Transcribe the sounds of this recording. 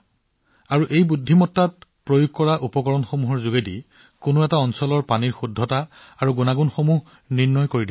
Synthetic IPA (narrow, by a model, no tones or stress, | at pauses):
aɹuʔejbudʱːimɔtːat̚pɹojuɡ̚kːɔɹaʔupɔkɔɹɔnxomuɦɔɹzuɡedḭ | kʊnoɛtaɔnsɔlɔɹpaniɹxudʱːɔtaː | ɹuɡunaɡunxomuɦ | niɹnɔjkoɹidi